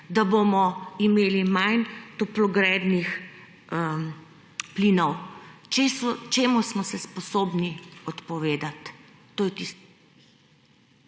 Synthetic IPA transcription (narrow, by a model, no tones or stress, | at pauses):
d̪abomɔimeːlimajnt̪ɔplɔɡɾɛːd̪nix | ə | plinɔwt͡ʃesɔt͡ʃeːmusmɔsɛspɔsoːbniɔt̪pɔʋeːd̪at̪ː | oːjɛt̪is